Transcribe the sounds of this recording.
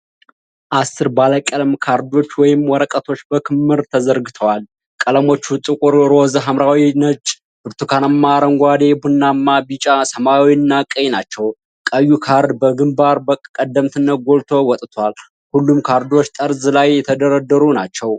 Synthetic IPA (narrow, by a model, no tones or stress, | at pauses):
ʔasːɨɾbaləkʼəlmkʰaɾd̪o̞t͡ʃːwɔjɪmwɔɾəkʼət̪ʰo̞t͡ʃːbəkʰɨmːɨɾt̪ʰəzəɾɡɨt̪ʰəwal | kʼələmo̞t͡ʃːut̪ʼɨkʼuɾɾozəɦamɾawinət͡ʃʼː | bɨɾt̪ʰukʰanəmːaɾəŋɡʷad̪ebunːamːabit͡ʃʼasəmawiɨnːakʼəjnat͡ʃːɛw | kʼəjːukʰaɾd̪bəɡɨmbaɾbəkʼkʼəd̪ːəmt̪ʰɨnːəɡo̞lt̪ʰo̞wɔt̪ʼt̪ʰwal | hulːumkʰaɾd̪o̞t͡ʃːt̪ʼəɾzlajːɛt̪ʰəd̪əɾəd̪əɾunat͡ʃːɛw